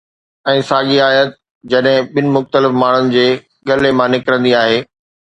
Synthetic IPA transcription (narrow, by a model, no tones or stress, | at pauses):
ɛ̃ːsaːɠiaːjət̪̚ | d͡ʑɐɗɦɪ̃ɓɪnɪ̆mʊxt̪əlɪfmaːɳ̤ənɪ̆d͡ʑeː | ɠɐlemãnɪkɪɾə̃nd̪iaːɦeː